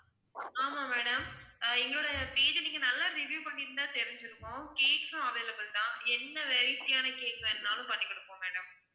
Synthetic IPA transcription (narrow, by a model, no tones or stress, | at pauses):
aːmameːɽɐmɛŋɡɐɭoːɽɐɐpeːðɯniːŋɡɐnɐlːaɾɪʋjuːpɐɳːɪɾɯnd̪ãːt̪ɛɾɪɲd͡ʒɪɾɯkːʊ̃ːkeːksʊ̃ɐʋlɐpːɐlt̪ãːɛnːɐʋɛɾɪt̪ːɪjaːnɐkeːkɐɛnːaːlʊ̃pɐnːɪkːɐɽɯkːõːmeːɽɐm